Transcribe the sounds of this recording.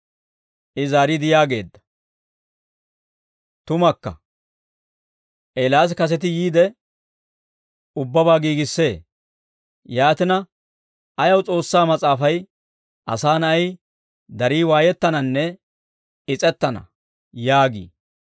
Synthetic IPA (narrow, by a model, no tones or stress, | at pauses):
ʔɪzaːɾɪd̪ɪjaːɡe̞̰ːd̪ːɐ̥ | t̪ʊmɐkːɐ̰ | ʔelaːs̬kɐs̬ɛt̪̬ɪjiːd̪ɛ | ʊbːɐbaːɡiːɡɪsːe̞ː | jaːt̪ɪnɐ | ʔɐjɐwt͡sʼo̞ːsːaːmɐt͡sʼaːfɐj | ʔɐ̰saːnɐɐj | d̪ɐɾiːwaːjɛt̪ːɐnɐnːɛ | ɪt͡sʼɛt̪ːɐnɐ̰ | jaːɡḭː